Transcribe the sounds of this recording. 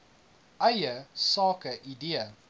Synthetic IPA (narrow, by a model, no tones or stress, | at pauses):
ʔɐjəsɑːkəʔidiə